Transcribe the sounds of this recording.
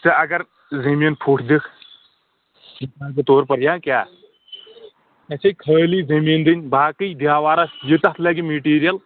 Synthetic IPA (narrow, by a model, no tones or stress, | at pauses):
t͡sɐɐɡɐɾ | zɐmiːnpʰuːʈʰd̪ikʰ | misaːnkot̪oːɾpɐɾjãːkʲjaː | ɐt͡ʃʰɐjʲkʰəːlizɐmiːnd̪ɨnʲbaːkɨjd̪jaːwaːɾɐsjit̪ɐt̪ʰlɐːɡimeʈiːɾijɐl